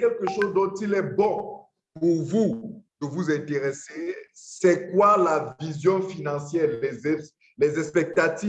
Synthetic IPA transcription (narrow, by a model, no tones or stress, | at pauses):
ɛkɛlkəʃozd̪ɔ̃t̪ilɛbɔ̃ | puʁvud̪̥əvuzɛ̃t̪eʁesesɛkwalavizjɔ̃finɑ̃sjɛʁlɛɛ | lɛzɛ̃spɛk̚t̪at̪i